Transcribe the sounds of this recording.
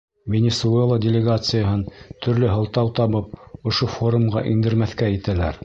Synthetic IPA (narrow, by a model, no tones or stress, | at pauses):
vʲenʲesuelˠədʲɪlʲɪɡat̪sɨjəɦɤnt̪ʰɵ̆ɾlɘɦɤ̆lˠt̪ɑwt̪ɑβɤp̚ŏʃofo̞ɾumʁɑ̰ʔind̪ɘ̆ɾmæθkæjɘ̆t̪ælæɾ